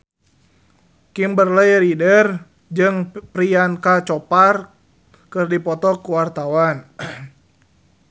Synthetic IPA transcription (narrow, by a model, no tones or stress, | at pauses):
kimbərləjɾidər | d͡ʒɨŋpɾiankat͡ʃɔpar | kɨrdipɔt̪ɔkuwart̪awan